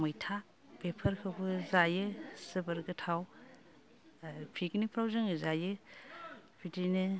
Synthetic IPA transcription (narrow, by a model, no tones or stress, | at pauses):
mɯjtʰa | bepʰɐɾkʰɯbɯzajɯsɯbɯɾɡɯtʰaw | pʰiknipʰɾawzɯŋɯzajɯ | b̥ʰidinɯ